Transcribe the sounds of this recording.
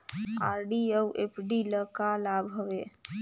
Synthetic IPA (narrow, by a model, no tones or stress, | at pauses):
aːɾɖiəwʔepʰɖiləkalabʱɦowe